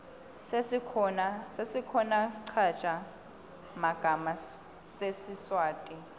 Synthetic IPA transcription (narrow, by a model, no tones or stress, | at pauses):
sesikʰɔnasesikʰɔnasi̥ǀʰḁt͡ʃʰʼa | maɡ̥ʱama | sesiswaːtʼi